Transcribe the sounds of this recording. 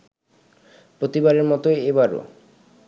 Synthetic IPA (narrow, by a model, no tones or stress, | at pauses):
pɾot̪ibaɾeɾmɔt̪oeebaɾo̰